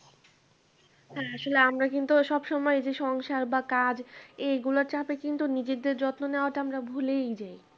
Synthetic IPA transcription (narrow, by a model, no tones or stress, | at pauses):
hɛaʃoleamɾakint̪uʃɔbʃɔmɔed͡ʑeʃɔŋʃaɾbakad͡ʑeɡulaɾt͡ɕapekint̪unid͡ʑed̪eɾd͡ʑɔt̪noneoaʈaamɾabʱulejd͡ʑaj